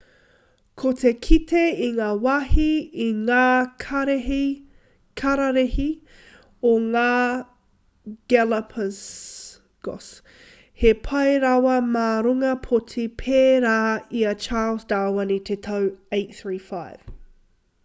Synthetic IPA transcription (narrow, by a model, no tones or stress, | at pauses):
kʰotʰekʰitʰeiŋaːwɐhiiŋaːɾi | kʰɐɾɐɾehi | oŋaː | ɡ̥ɛlɐpʰəs | ɡ̥o̰s | hepʰɐjɾɐwɐmaːɾuŋɐpʰotʰipʰeːɾaːiɐt͡ʃaːlsdaːwɐnit̪ʰet̪ʰɐweɪt̚θɹiːfaɪv̥